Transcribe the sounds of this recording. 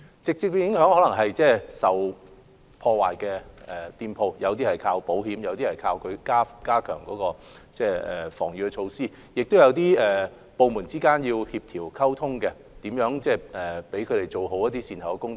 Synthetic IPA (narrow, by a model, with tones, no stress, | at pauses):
t͡sɪ˨k̚t͡si˨k̚we˧jɪ˨˥ŋhœː˨˥ŋhɔː˨˥lɐ˨˩ŋɦɐ˨jt͡sɛː˥sɐ˨w | pʰɔː˧wa̰ː˨jkɛː˧ɛː˨t̪iː˧npʰo˧wjɐ˨˧wt̪iː˥hɐ˨˩jkʰaː˧wpo˨˥whiː˨˥mjɐ˨˧wt̪iː˥hɐ˨˩jkʰaː˧wkʰɵ˨˧ɥkaː˥kaː˥kʰœː˨˩ŋkɔː˨˧˥kɔː˧t͡sɛː˥˩ɛ̰ː˨˩fɔ̰ː˨˩ŋjy˨˧kɛ˧t͡ʃʰo˧wsiː˥ | jɪ˨k̚t̪o˥wjɐ˨˧wt̪̬iː˥ɛː˨ | po˨˧wmuː˨˩nt͡siː˥kaː˥njiː˧whiː˧p̚t̪ʰiː˨˩wkʰɐ˥wt̪ʰʊ˥ŋkɛ˧ | t̪iː˨˥mjœː˨˥ŋt͡sɛː˥˩ɛː˨pe˨˥jkʰɵ˨˧ɾe˨˩jt͡so˨wɦo˨˥wjɐ˥t̪iː˥siː˧nt̪ʰɐ˨˩wkɛ˧kʊ˥ŋt͡sɔ˨˥